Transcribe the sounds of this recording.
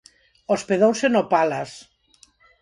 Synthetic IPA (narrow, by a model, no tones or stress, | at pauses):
ospeðowsenopalas